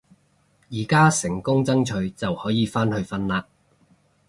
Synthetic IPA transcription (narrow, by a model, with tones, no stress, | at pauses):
jiː˨˩kaː˥sɪ˨˩ŋkʊ˥ŋt͡sɐ˥ŋt͡ʃʰɵ˨˧ɥt͡sɐ˨whɔː˨˥jiː˨˧faː˥nhɵ˧ɥfɐ˥nlaː˧